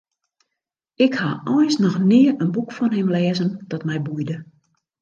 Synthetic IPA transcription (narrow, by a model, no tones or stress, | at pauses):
ɪkhaɔjsnɔxnɪːəənbukfɔnɦɪmlɛːzənd̥ɔtmɛjbujdə